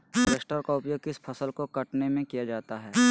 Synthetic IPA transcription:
ɾeːsʈəːɾkaʊpjoːɡ̚kɪspʰɐsəlkokɐʈnemẽkijad͡ʒaːt̪aɦɛː

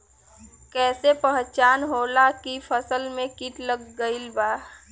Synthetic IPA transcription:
kɛːsepəɦt͡ʃaːnɦoːlakipʰəsəlmẽkiʈ̪ləɡːəɪlbaː

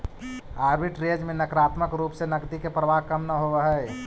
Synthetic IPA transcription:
aːɾbiʈɾeːd͡ʒmẽnəkɾaːt̪məkɾuːpsenɐɡd̪ikepɾəʋaɦkɐmnɐɦoʋəɦɛe

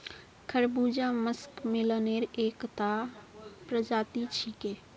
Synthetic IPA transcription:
kʰəɾbud͡ʒaməskmɪləneɾeːkt̪a | pɾəd͡ʒaːt̪it͡ʃʰike

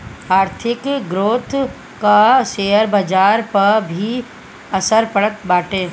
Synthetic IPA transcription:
aːɾt̪ʰɪkɡɾoːt̪ʰ | kaʃeːəɾbɐd͡ʒaːɾpɐɾbʱi | ɐsəɾpəɭət̪baːʈeː

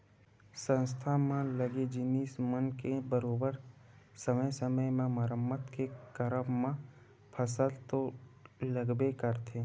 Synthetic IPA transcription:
sə̃nst̪ʰamãləɡed͡ʒɪnismənkebəɾoːbəɾ | səməjsəməjmẽməɾəmːət̪kekəɾəmmã | pʰəsəlt̪oləɡbekəɾt̪ʰeː

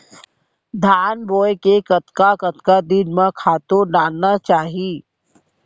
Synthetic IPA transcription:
d̪ʱaːnboːjkekət̪kakət̪kad̪ɪnmẽkʰaːt̪oɖaːlnat͡ʃaːɦiː

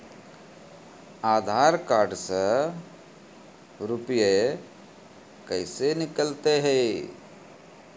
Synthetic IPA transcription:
aːd̪ʱaɾkaːɾɖsə | ɾupje | kəɪsenɪkəlt̪eɦɛ

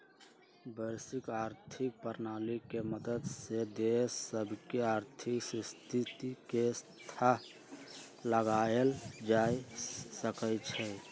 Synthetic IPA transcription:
bəɾsikaːɾt̪ʰik̚pəɾnaːlikeməd̪əd̪sed̪esəbʱkeaːɾt̪ʰiksst̪ʰit̪ikest̪ʰaɦ | ləɡaeld͡ʒaisəkət͡ʃʰɛ

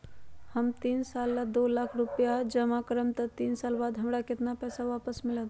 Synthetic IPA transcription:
həmt̪iːnsaːlːad̪oːlaːkʰɾʊpjad͡ʒəmakɾəmt̪ət̪iːnsaːlbaːd̪ɦəmɽakɪt̪napɛːsaʋaːpəsmɪlət̪

